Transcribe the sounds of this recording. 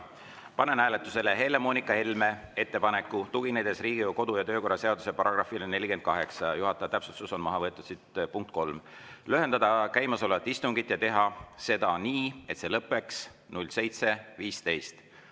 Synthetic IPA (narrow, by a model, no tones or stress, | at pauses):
pɑne̞næːle̞t̪ːˑuse̞le̞ɦe̞le̞moːnikːˑɑhelme̞ | e̞t̪ːe̞pɑne̞kːˑut̪uɡ̥inejd̪̥e̞sriːɡioko̞d̪̥ujɑt̪øːko̞rːɑse̞ɑd̪use̞pɑɾɑɡ̥rɑfilene̞lʲike̞n̥kɑɦe̞ksɑjuɦɑt̪ːˑɑjɑt̪æpsususo̞nmɑɦɑvɤet̪ːˑud̥̪sit̪puŋk̚t̪̚ko̞lmløɦe̞nd̪ɑd̪ɑkæjmɑso̞le̞vɑt̪ːist̪uŋɡ̥it̪ːˑjɑt̪e̞ɦɑse̞d̪̥ɑniːe̞t̪se̞lɤpːˑe̞ks | nulʲse̞jt̪se̞viːst̪e̞jst̪